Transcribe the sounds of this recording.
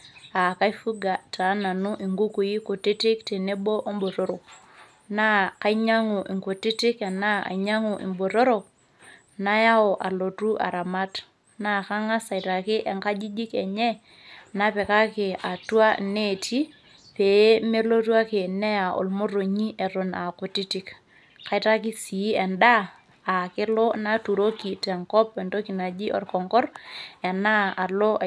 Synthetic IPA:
a˨ka˦i˦fu˦ɡa˨ta˨˦na˨nu˦ʔi˨ŋɡu˦ku˨i˦ko˨ti˦tɪ˦k̚te˨ne˦bo˦ʔo˦mbo˨to˦ɾo˨k | na˦ka˦i˦ɲa˦ŋu˨ʔi˨ŋko˨tɪ˦tɪ˦ka˨na˦a̰˨ɲa˦ŋu˨ʔḭ˨mbo˨to˦ɾo˨k̚ | na˦ja˦ɔ˨ʔa˨lo˨tu˦ʔa̰˨ɾa˨ma˦t | na˦˨ka˦ŋa˦sa˨i˨ta˨kɪ˦ʔɛ˨ŋka˦d͡ʒi˦d͡ʒi˦kɛ˨ɲɛ˦ | na˦pɛ˨ka˦kɪ˨a˨twa˦ne˦˨tʰi˦ | pe˨˦me˦lo˦tu˦a˦kɪ˨nɛ˦ja˨ʔo̰˨lmo˦ro˨ɲi˦ʔɛ˨ɾʊ˨na˨kʊ˨ti˦ti˦k | ka˨i˨ta˦kɪ˦si˨˦ɛ˨ndaː˦˨ | kɪ˦lɔ˦na˦tu˨ɾo˦ki˨tɛ˨ŋkɔ˦pɛ˨nto˦ki˨na˨d͡ʒi˦ʔɔ̰˨rkɔ˨ŋkɔ˦rɛ˨na˦a˨lɔ˦˨

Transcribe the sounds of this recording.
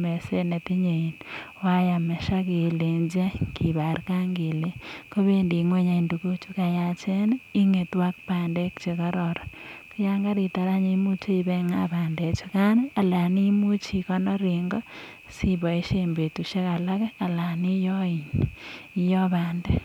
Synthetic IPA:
me˨se˦ne˨ti˦ɲe˨i˨nwa˦ja˨mɛ˨ʃa˦ke˨le˨ɲd͡ʒe˦kʰi˨ba˨ɾka˦ŋɡe˨le˨ko˦βe˦ndi˨ŋwe˦ɲa˨induko˦t͡ʃu˦ka˨ja˨t͡ʃe˦ni˦ŋe˨twa˦k̚paː˨nde˦kt͡ʃe˨kɔ˦ɾɔɾɔ˨ki˦ja˦ŋɡa˦ɾi˨ta˨ɾa˦ɲemu˦t͡ʃe˦i˨beŋa̰baːnde˨t͡ʃu˨ka˦ne˦a˨la˨ni˦mu˦t͡ʃi˨kɔ˦nɔ˦ɾiŋɡɔ˦ | si˦bɔ˨i˦ʃe˨mbe˨tu˨ʃe˦ka˨la˦kɛ˦a˨la˨ni˦jɔ˦i˨ɲijɔ˦βaː˨nde˦

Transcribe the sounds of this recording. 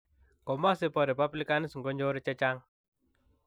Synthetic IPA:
kɔ˨ma˦se˦pɔ˨ɾɛ˨pa˦bli˦ka˦ni˦sŋɡɔ˦ɲd͡ʒo˦ɾi˦t͡ʃɛ˦t͡ʃa˦ŋ

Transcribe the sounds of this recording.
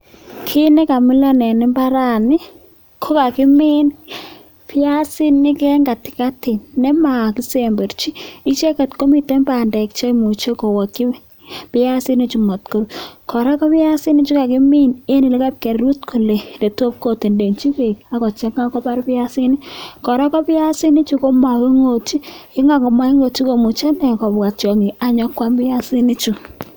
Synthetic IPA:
kʰi˦nɛ˦ka˨mɪ˦lɔ˦nɛ˨nɪ˦mba˦ɾa˦˨nɪ˦ | kʰo˦ka˨kɪ˦mi˦n | pɪ˦a˦si˦nːɪ˦kɛ˦ŋɡa˨tɪ̥˨ka˦ti˨nːɛ˦ma˨ki˦se˦mbe˨ɾt͡ʃi˦i˦t͡ʃe˦kɛ˨tko˦mi˨te˦mba˨ndɛ˨k̚t͡ʃe˦mu˨t͡ʃe˦ko˨wɔ˨ki˦ | pɪ˦a˦sɪ˦ni˦t͡ʃu˨mɔ˨tko˦ɾu˨kʰɔ˨ɾa˦kɔ˦pɪ˦ja˦si˦nɪ˦t͡ʃu˦ka˨kɪ˦mi˦ne˦nɪ˨le˦ka˦p̚ke˨rɾu˦tkʰu˨le˨nde˨to˦p̚ko˨te˨nde˨nt͡ʃi˦ke˨ka˨kɔ˨t͡ʃɛ˦kŋa˦kɔ˦pa˦ɾpɪ˦ja˦si˦ni˦kɔ˨ɾɔ˦kɔ˦pɪ˦ja˦si˦nɪ˦t͡ʃu˦ko˦ma˨wi˦ŋo˨t͡ʃi˦ɪ˦ŋa˦kɔ˨ma˦i˦ŋo˨t͡ʃi˦ko˨mu˨t͡ʃe˦nɛ˨kɔ˨bka˨t͡ʃɔ˨ŋi˨a˨ɲɔ˦kwa˦mbɪ˦ja˦si˦ni˦t͡ʃu˨

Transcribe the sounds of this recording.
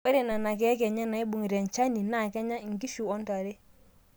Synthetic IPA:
we˦ɾe˨na˨na˨kɛ˨˦kɛ˨ɲa˦na˨i˦bu˨ŋi˨ɾɛ˨ɲ˨t͡ʃa˦ni˨na˦˨kɛ˦ɲa˦˨ŋɡi˦fu˨ɔ˦nta˨ɾe˦

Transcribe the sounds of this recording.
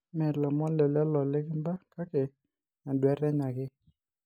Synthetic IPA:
mɛ˨ɾlɔ˨mɔ˦nlɛ˨lɛ˦lɔ˨lɪ˦kɪ˦mba˦ka˦ke˨ | na˨dwɛ˨˦ɾɛ˦ɲa˨kɪ˦

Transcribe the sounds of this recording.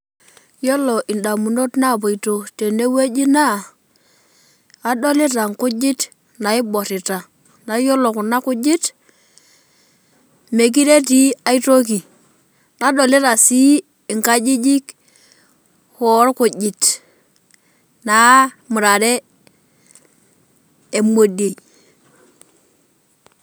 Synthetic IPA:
jo˦lo˨ʔɪ˨nda˨mu˨no˦tna˦˨bo˨i˨to˨te˨ne˦we˦d͡ʒi˦na˦˨˦ | dɔ˦li˦ta˨ŋkʊ˦d͡ʒɪ˦t | na˨ɪ˦bɔ˨ɾi˨ta˨ | na˨˦jo˦lo˨kʊ˨na˦kʊ˦d͡ʒi˦t | me˨k̬i˦ɾe˦ti˦a˦i˦to˦k̬i˨ | na˨˦do˨li˦ɾa˨si˦ | i˨ŋka˦d͡ʒi˦d͡ʒi˦k | hɔ˨˦ɾku˨ɟi˨t | na˨˦ | mu˨ɾa˨ɾe˦ | e˨mo˨de˨

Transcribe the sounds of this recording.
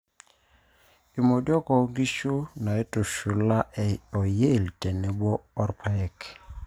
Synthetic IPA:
i˨mo˨djɔ˦kɔ˨˦ŋɡi˦ʃu˦na˨e˦tu˨ʃu˨la˦˨ɔ˨je˦˨ltɛ˨ne˨bɔː˦ɾpʰa˦ɛ˨k

